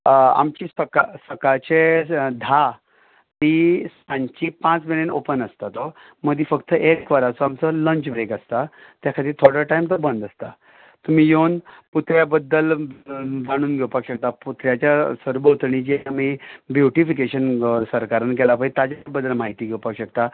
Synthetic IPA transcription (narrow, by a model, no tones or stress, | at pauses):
a̰mt͡ɕiːsəkasəkat͡ɕed̪ʱa | t̪iːsãɲt͡ɕiːpãt͡smilenopənəst̪at̪o | məd̪ʱifəkt̪əʔekʋəɾat͡soamt͡sələɲt͡ɕbɾekəst̪at̪jakʰad̪iːt̪ʰoɾəʈajmt̪əɾbəɳd̪əst̪a | t̪um̤iːjonput̪ɾjabəd̪ːəl | d͡zaɽ̃uːnɡʱewpakɕək̚t̪aput̪ɾjat͡ɕjasəɾbət̪ɳit͡ɕiamibjuʈifikeɕənsəɾkaɾənkɛlapəit̪ad͡ʑabəd̪ːəlmaɦit̪iːɡʱɛwpakɕəkt̪a